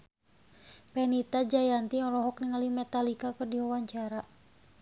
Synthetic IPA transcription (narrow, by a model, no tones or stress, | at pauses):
pɛnit̪ad͡ʒajant̪iɔlɔɦɔk̚niŋalimɛt̪alikakɨrdiwawaɲt͡ʃaɾa